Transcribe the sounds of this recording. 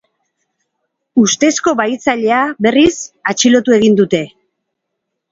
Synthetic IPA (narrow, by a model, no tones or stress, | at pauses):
ust̪e̞sko̞βajt͡saʎe̞aβe̞risat͡ʃilo̞t̪ue̞ɣind̪ut̪e̞